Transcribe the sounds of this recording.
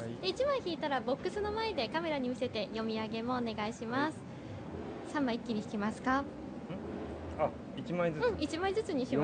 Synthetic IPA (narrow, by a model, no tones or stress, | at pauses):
eit͡ɕimãĩçiːt̪aɾabo̞kːɯ̟sɨno̞mae̞d̪e̞kame̞ɾaɲ̟imʲise̞t̪e̞jo̞mʲiaɡe̞mo̞ːne̞ɡaiɕimasɨ̥ | sãmːaikʲːiɲ̟ʲiçi̥kʲimasɨ̥kã | a | iimaĩzɯ̟̃ɴit͡ɕimaĩzɨt͡sɨɲ̟ii